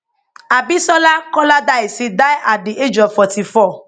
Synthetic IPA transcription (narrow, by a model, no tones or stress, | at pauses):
abisɔlakɔladaesidajʔadeʔed͡ʒɔfɔtifɔ